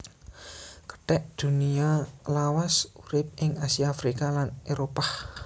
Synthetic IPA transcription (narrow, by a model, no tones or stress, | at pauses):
kə̥ʈɛʔd̪̥ṳnialawasuɾɪp̚ʔɪŋasiaːfɾikalaneɾopah